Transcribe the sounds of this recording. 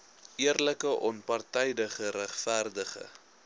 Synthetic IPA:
ʔiərləkəʔɔnpɐrtɛjdəχəɾæχfærdəχə̰

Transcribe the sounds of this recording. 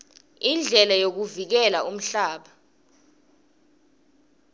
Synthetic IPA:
ind͡ɮʱɛlajok̬uvik̬ɛlaʔum̩ɬaːɓa

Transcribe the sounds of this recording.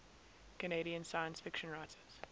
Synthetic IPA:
kəneɪɾiə̃nsaɪə̃nsfɪkʃə̃nɹaɪtʰəz̥

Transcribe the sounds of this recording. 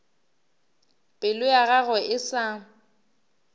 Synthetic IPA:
pʼɪlʊjaɣaɣʊʔɪsa

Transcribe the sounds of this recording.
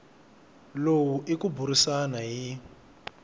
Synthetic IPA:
lowuʔikubuɾisanaɦi

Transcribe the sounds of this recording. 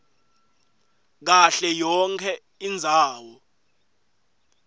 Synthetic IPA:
k̬aɬɛjɔŋkʰɛ | ind͡zʱaːwɔ

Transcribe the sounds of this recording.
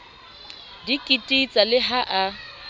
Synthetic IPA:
dikʼitʼit͡sʼalɪɦaʔa

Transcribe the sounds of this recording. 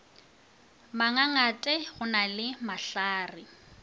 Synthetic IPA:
maŋaŋatʼɛχʊnalɪmaɬaːri

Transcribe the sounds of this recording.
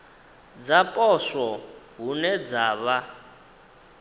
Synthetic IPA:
d͡zapʼɔswɔɦunɛd͡zaːβa

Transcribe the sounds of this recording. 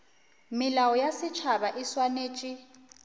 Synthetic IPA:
mɪlawɔjasɪt͡ʃʰaβaʔiswaneːt͡ʃʼi

